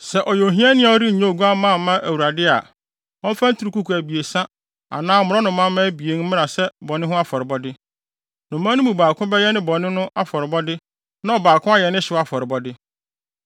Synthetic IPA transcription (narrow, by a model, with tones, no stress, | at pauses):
sɛ˨ʔɔ˨jõ˨ɦĩ˦a˦nɪ̃˦a˨˦ɔ˦ɾi˦˨ɲõ˦˨ɡu˦a˦mã˦˨mã˦ʔæ˨wu˨ɾa˨dɪ˦a̰˨ | ɔ̃˦m̩˦fã˦n̩˦tʰu˨ɾu˨ku˦kʰu˨æ˨bi˨e˨sã˦ | a̰˨nãː˦mʊ̃˨ɾɔ˦nʊ̃˨mã˦mːã˦bi˨e˨˦n˦mɪ̃˦ɾa˨sɛ˦bɔ˨nɪ̃˦ɦʊ̃˦a˦fɔ˨ɾɪ˨bɔ˦dɪ˦ | nʊ̃˨mã˦nũ˦mũ˨baː˨kʰʊ̃˦bɛ˦jɛ˦nɪ̃˦bɔ˨nɪ̃˦nʊ̃˦ʔa˦fɔ˨ɾɪ˨bɔ˦dɪ˦ | nã˦ɔ˨baː˨kʰʊ̃˦a˦jɛ˨nɪ̃˦ɕɪ˨wɔ˦a˦fɔ˨ɾɪ˨bɔ˦dɪ˦